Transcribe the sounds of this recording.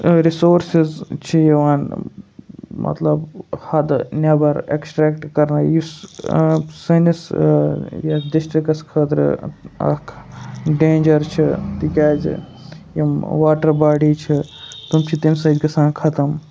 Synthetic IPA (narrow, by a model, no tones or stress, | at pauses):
ɾisoːɾsizt͡ʃʰijɐʋaːn | mʔɐ̰t̪lɐbhɐd̪neʋɐɾḛksʈɾeːkʈkɐɾnɐjus | sɐnis | jɐsɖisʈɾikɐskʰəːt̪ɾ̰ɐ̰kʰɖeːnd͡ʒɐɾt͡ʃʰit̪ikʲaːz̰ | jimʋaːʈɐɾbaːɖiːt͡ʃʰit̪umt͡ʃʰit̪imʲsɐːd̪ʲɡɐsãːnkʰɐt̪ɐm